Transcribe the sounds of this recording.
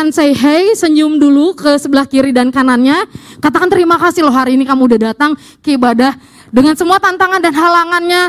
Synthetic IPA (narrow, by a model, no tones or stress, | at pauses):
ansajɦɛjsəɲd͡ʒʊmdulukəsəbəlahkiɾidankananɲakat̪akant̪əɾimakasɪhlɔɦaɾiːnikamuudahdat̪aŋ | kəibadah | dəŋansəmuat̪ant̪aŋandanɦalaŋanɲa